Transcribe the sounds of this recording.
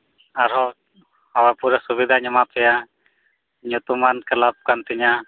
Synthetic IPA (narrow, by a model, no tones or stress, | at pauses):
aɾɦɔ | awapuɾesubid̪ʱaɲəmapʰɛja | ɲut̪umankəlap̚kant̪iɲa